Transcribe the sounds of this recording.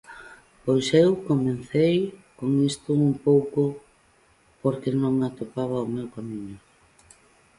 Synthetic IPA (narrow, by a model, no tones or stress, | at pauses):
pojsewkomen̟θejkoŋist̪ʊumpowkʊ | poɾkɪnõŋat̪opaβ̞ɐomewkamiɲʊ